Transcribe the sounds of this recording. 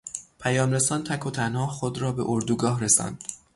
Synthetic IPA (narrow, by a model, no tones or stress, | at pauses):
pʰæjɒːmɾe̞sɒːnt̪ʰækʰot̪ʰænhɒːxod̪ɾɒːbe̞̰ʔoɾd̪uːɡɒːhɾe̞sɒ̰ːnd̪̥